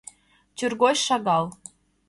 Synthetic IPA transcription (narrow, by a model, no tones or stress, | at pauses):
t͡ɕʲyrɣojʃɑɣɑlˠ